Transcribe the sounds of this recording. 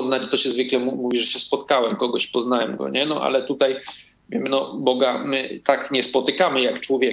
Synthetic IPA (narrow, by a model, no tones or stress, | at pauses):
znat͡ɕt̪ɔɕɛzvɘklɛmumuvʲiʐɛɕɛspɔt̪kawɛmkɔɡɔɕpɔznawɛmɡɔ̰ɲɛnɔʔa̰lɛt̪ut̪aj | vʲjɛmnɔbɔɡamɘt̪akɲɛspɔt̪ɘkamɘjakt͡ʂwɔvʲjɛ